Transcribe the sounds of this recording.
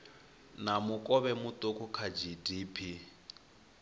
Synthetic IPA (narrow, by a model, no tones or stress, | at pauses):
namʊkʼɔβɛmʊtʼokʰɔkʰad͡ʒidiːpʰi